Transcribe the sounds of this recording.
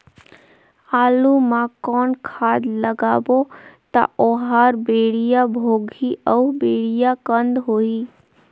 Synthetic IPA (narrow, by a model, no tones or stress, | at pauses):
aːlumãkɔːnkʰaːd̪ləɡaːbot̪a̰ʔoɦaːɾbeːɽijabʱoːɡʱiʔɔːbeːɽijakə̃nd̪ɦoːi